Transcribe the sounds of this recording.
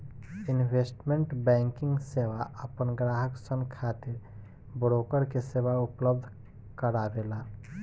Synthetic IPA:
ɪnʋeːsʈmẽɳʈbɛ̃ːŋkɪ̃ŋɡseːʋaəpənɡɾaːɦəksənkʰaːt̪ɪɾ | bɾoːkəɾkeseːʋaʊpləb̚d̪ʱ | kəɾaʋeːlaː

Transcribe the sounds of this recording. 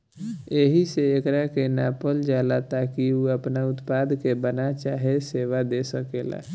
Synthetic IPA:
eɦiseekɾakenaːpəld͡ʒaːlat̪akiuəpnaʊt̪pad̪kebənat͡ʃaːɦeseːʋad̪esəkeːla̰

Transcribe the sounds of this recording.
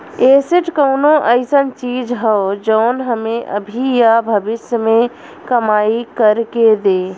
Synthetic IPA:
eːsɪʈkəʊnõʔəɪsənt͡ʃiːd͡ʒɦɛod͡ʒəʊnɦəmẽʔə̰bʱijabʱəbɪsjəmẽ | kəmaːikəɾked̪eː

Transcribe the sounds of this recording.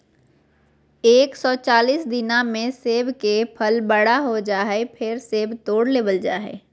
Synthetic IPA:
eːksɔːt͡ʃaːliːsd̪ɪnamẽseːbkepʰəlbəɽaɦod͡ʒaːɦepʰɪɾseːbt̪oːɽleːbəld͡ʒaːɦɛ̰ː

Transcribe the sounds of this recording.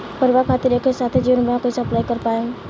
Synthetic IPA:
pəɾʋakʰat̪iɾekʰesat̪ʰed͡ʒiʋənbəjãkoisəplajkəɾpaːjũ

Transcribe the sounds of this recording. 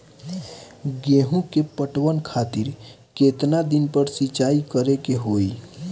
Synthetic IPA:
ɡeɦũkepəʈwənkʰaːt̪iɾ | ket̪nad̪ɪnpəɾsit͡ʃaːikəɾekeɦoːi

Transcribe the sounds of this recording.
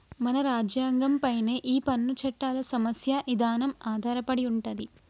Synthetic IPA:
mɐnɐɾaːd͡ʒjaːŋɡɐmpɐjne̞ːʔiːpɐnːut͡ʃɐʈːaːlɐsɐmɐsjɐʔid̪ʱaːnɐmaːd̪ʱaːɾɐpɐɽiuɳʈɐd̪i

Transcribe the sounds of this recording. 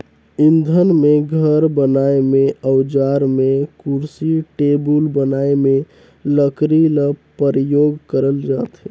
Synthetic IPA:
ind̪ʱənmeɡʱəɾbənaemeəwd͡ʒaɾmekuɾsiʈebulbənaeme | ləkɾiləpəɾjoɡkəɾəld͡ʒat̪ɦɛ

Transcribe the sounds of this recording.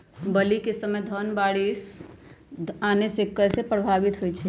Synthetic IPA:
bəlikesəmejd̪ʱənbaɽis | anesekːəsepɾəbʱabit̪ɦojt͡ʃʰɛ

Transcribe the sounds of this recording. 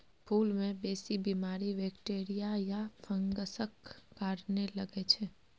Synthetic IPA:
pʰulmẽbesibimaɾiʋɛkʈeɾijajafʰəŋɡəsəkːaɾneləɡet͡ʃʰe

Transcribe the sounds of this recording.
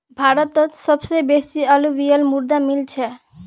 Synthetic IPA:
bʱaɾət̪ət̪səbsebesiəlubijəlmuɾd̪amilt͡ʃʰɛ

